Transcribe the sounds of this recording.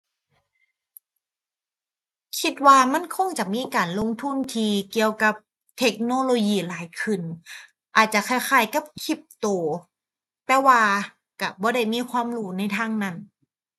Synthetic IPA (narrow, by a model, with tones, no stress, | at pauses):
kʰi˧˥t̪̚waː˧ma˧˥˨nkʰo˧˥˩ŋt͡ɕa˨˩ʔmiː˧˥˨kaː˨˩nlo˧˨ŋt̪ʰu˧˥˨nt̪ʰiː˧ki˧əwka˧˦p̚ | t̪ʰe˧˦˥k̚noː˧˥˨loː˧jiː˧˩laː˨˦jkʰɯ˧˩n | ʔaː˨˩t̪̚t͡ɕa˨˩˨kʰa˧˥˩jxʰaː˧˩jka˧˥˦p̚kʰi˧˩p̚t̪oː˧˩ | t̪ɛː˧˩waː˧ | ka˧˩bɔː˧˦ɾa˧˥˩jmiː˧˥˨kʰwaː˧˥˨mɾuː˧˩na˧˩˨jt̪ʰaː˧˥˩ŋna˧˥˩n